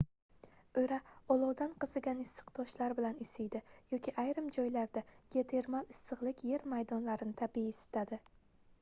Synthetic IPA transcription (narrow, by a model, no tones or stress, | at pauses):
ɵjɾaɒlˠɒwd̪anqɨzɨɡʲanɪsːɨ̥qt̪ʰɒʃlaɾbɪlanɪsɪjd̪ɪjɒkʲʰiʔajɾɪmd͡ʒɒjlaɾd̪aɡ̥ʲe̞t̪ʰe̞ɾmalɪsːɨʁlˠɪkʲje̞ɾmajd̪ɒnlaɾɪnɪt̪ʰabijɪsɪ̥st̪ad̪ɪ